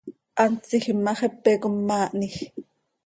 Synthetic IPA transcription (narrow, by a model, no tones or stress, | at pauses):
ʔɑnt͡siximːɑχepːekumːaːʔnix